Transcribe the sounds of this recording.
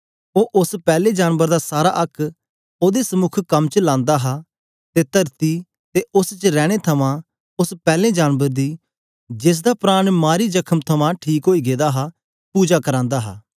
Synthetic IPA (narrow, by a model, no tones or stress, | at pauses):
oːʔʊspɛːlẽd͡ʒaːnbəɾd̪aːsaːɾaʔɐkʰː | oːd̪esəmʊkʰkɐmt͡ʃlãːnd̪aɦa | t̪et̪ɐɾt̪i | t̪eʔʊst͡ʃəɾɛːɽ̃et̪ʰɐmãː | ʊspɛːlẽːd͡ʒaːnbəɾd̪iː | d͡ʒɪs̬d̪aːpɾaːɽ̃maːɾid͡ʒɐkʰəmt̪ʰɐmãʈʰiːkɦoːiːɡeːd̪aːɦa | puːd͡ʒakəɾãːnd̪aːɦa̰ː